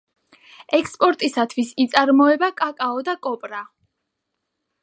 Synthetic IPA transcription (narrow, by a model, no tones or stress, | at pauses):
ɛkspʼɔɾt̪ʼisat̪ʰwisit̪sʼaɾmɔɛbakʼakʼaɔd̪akʼɔpʼɾa